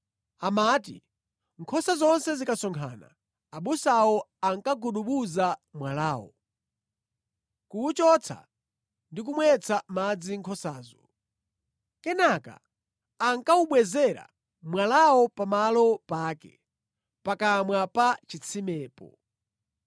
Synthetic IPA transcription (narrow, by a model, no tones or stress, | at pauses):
amaːtḭ | ŋkʰɔsazɔnsɛzikasɔŋkʰa̰ːna̰ː | ɓusawɔaŋkaɡuɗuɓuzamwalaːwɔ̰ | kuut͡ʃɔt͡sʰa̰ | ndik̬umwɛt͡sʰamad͡ziŋkʰɔsaːzɔ | kɛnaka̰ː | ŋkauɓwɛzɛɾa̰ | mwalawɔpamalɔpaːkɛ̰ | pakamwapat͡ʃit͡sʰimɛːpɔ̰